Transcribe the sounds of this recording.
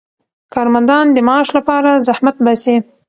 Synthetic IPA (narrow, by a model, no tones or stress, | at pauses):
kɑɾmand̪ɑnd̪əmɑʃlapɑɾazahmat̪̚base